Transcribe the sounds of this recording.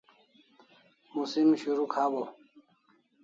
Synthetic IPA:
musimɕuɾukʰabo

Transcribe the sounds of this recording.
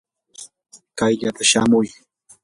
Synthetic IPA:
kajʎat̪aʃamʊj

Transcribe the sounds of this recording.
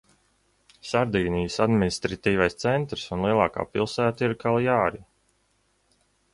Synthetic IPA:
saɾd̪iːnijəsad̪minist̪ɾat̪iːvajst̪sɛnt̪ɾsunlˠiɛlˠɑːka̰ːpilˠsæːt̪aiɾkʰalˠjaːɾi

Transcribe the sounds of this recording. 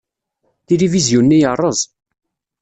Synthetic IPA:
t̪ilivizjunːijərˤːəzˤ

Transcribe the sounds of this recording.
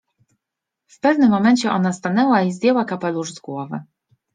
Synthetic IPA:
fpɛvnɘmːɔmɛɲʲt͡ɕɛʔɔnast̪anɛwaizd̪jɛwakapɛluʐzɡwɔvɘ̰

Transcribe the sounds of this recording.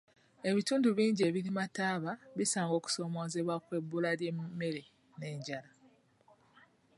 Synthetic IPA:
e̞βituːnduβiːɲɟie̞βiɾimataːβaβisaːŋɡo̞ːku̥so̞ːmo̞ːze̞βwakwe̞bːulaljemːe̞ɾe̞ | ne̞ːɲɟala

